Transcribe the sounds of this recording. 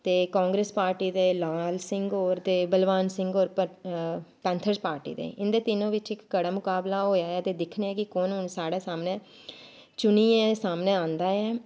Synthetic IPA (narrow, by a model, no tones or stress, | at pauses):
t̪eːkãːŋɡɾeːspaːɾʈiːd̪eːlaːlsɪŋɡoːɾt̪eːbəlʋaːnsɪ̃ŋɡoːɾə | pɛ̃ːnt̪ʰəɾspaːɾʈḭːd̪ḛːʔɪnd̪eːt̪ɪnõːʋɪt͡ʃɪkːəɽaːmʊkaːblaːɦoːjaːɛːt̪eːd̪ɪkʰneɛːkɪkoːnʊnsaːɽaːsaːmnẽː | t͡ʃʊniːɛːsaːmnẽːãːnd̪aːɛː